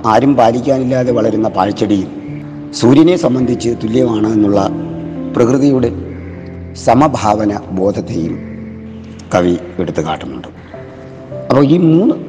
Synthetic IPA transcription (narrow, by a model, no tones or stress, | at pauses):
aːɾumpaːlikʲːaːnilːaːðe̞ʋɐɭɐɾunːɐpaːɻt͡ɕːɐɽijum | suːɾjɐne̞sɐmbɐnd̪ʱit͡ɕːɨt̪ulːjɐmaːɳɨenːuɭːɐprɐkrɨðɐjuːɽe̞ | sɐmɐbʱaːʋɐnɐbo̞ːd̪ʱɐt̪ːejṵm | kɐʋieɽut̪ːuka̰ːʈːunːṵɳɖɨ | ɐpːoːiːmuːnːɨ